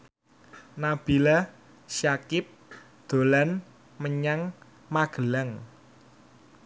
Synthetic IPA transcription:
nab̥ila | ʃakɪp̚ | d̪̥o̤lan | məɲaŋ | maɡ̥əlaŋ

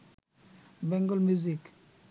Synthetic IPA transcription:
bɛŋɡɔlmuzik

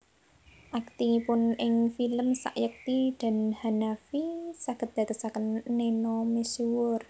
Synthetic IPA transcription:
ʔak̚t̪ipʊnɪŋfiləmsa̰ʔjək̚t̪id̪̥a̤nhanafisaɡ̥ə̤t̪̚d̥̪a̤k̪əsakənːenɔmesiwʊr

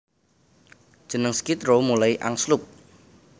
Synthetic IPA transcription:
d̥ʒ̥ə̤nəŋskit̪romulaiʔa̰ŋslʊp̚

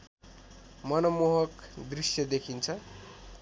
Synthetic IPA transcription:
mʌnʌmoɦʌkd̪risjʌd̪ekʰint͡sʰʌ

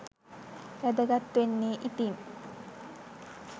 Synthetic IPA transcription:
jæd̪əɡat̪ːʋenːiːʔit̪iŋ

